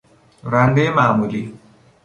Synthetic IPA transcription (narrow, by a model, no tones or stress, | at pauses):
ɾandemaːmuli